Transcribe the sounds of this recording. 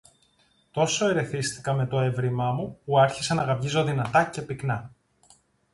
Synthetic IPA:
t̪o̞so̞e̞ɾe̞θist̪i̥kɐme̞t̪o̞e̞vɾimɐmupuɐɾçisɐnɐɣɐpʝizo̞ðinɐt̪ɐce̞piknɐ

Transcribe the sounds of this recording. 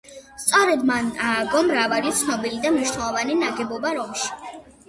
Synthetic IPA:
st̪sʼɔɾɛd̪manaːɡɔmɾavalit̪sʰnɔbilid̪amniʃnɛlˠɔvaninaɡɛbɔbaɾɔmʃi̥

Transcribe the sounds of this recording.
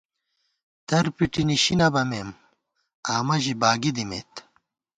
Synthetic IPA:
t̪ɐɾpiʈiniɕinɐbɐmeːm | aːmɐʑibaːɡid̪imḛːt̪

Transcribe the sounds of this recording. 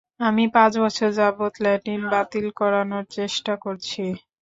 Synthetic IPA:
amipãt͡ɕbɔt͡ɕʰoɾd͡ʑabot̪laʈinbat̪ilkɔɾanoɾt͡ɕeʃʈakoɾt͡ɕʰi

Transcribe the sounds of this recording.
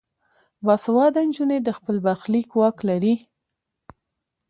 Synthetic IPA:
bɑsawɑd̪and͡ʒuned̪əxpəlbaɾxlikwɑklaɾi

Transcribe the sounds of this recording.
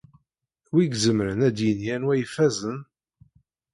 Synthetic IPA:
wiɡzəmɾənæd̪jənjænwæjəfæzən

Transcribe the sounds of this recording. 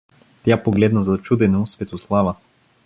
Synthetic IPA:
t̪ʲjapoɡlɛd̪nɐzɐt͡ʃud̪ɛnosvɛt̪oslˠavə

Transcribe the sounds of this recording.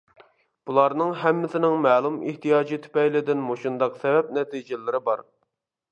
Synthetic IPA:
b̥ulˠɑɾnɨŋɦɛmːɪsɪnɪŋmɛːlˠumɪht̪ʰijɑːd͡ʒit̪ʰy̥pɛjlɪd̪ɪnmoʃund̪ɑqsɛvɛp̚nɛt̪ʰid͡ʒɪlɪɾɪbɑɾ

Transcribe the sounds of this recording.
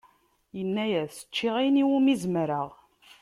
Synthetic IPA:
jənːæjæθsə̥t͡ʃːiʁiniwumizmɾaʁ

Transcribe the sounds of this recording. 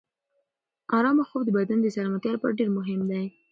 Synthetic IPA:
ɑɾɑmaxowd̪əbad̪and̪əsaɾmat̪jɑɾpaɖeɾmʊɦɪmd̪aj

